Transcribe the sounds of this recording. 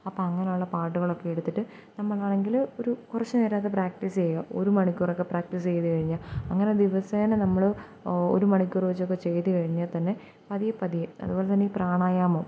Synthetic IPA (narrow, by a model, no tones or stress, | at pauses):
ɐpːoːɐŋːɐnejuɭːɐpaːʈːuɣɐɭo̞kːejeɽut̪ːiʈːɨ | nɐmːɐɭaːɳe̞ŋɡilo̞ɾukurɐt͡ɕːɨneːɾaːt̪ːɐpraːk̚ʈist͡ɕejɐʔo̞̰ɾumɐɳikʲːurokːepraːk̚ʈis̬t͡ɕejɐɨkɐɻiɲːaɐŋːɐne̞d̪iʋɐseːnenɐmːɐɭ | o̰ɾumɐɳikʲːuriʋɐt͡ɕːokːe̞t͡ɕe̞jt̪ːɨkɐɻiɲːɐðt̪ɐnːe̞ | pɐðijɐpɐðijɐɐ̰ðubo̞ːlet̪ɐnːeiːpraːɳaːjaːmoː